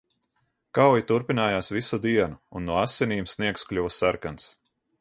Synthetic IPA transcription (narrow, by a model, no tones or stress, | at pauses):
kawjit̪uɾpinaːjaːsvisud̪iɛnuːnːuɔasʲːeniːmsniɛksklʲuvasaɾkans